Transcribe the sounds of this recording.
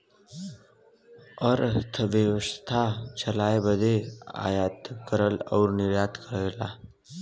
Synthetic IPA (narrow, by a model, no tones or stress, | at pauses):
əɾt̪ʰəʋjəwəst̪ʰat͡ʃəlaːebəd̪ea̰ːjaːt̪kəɾəlɔ̰ːɾnɪɾjaːt̪kəɾelaː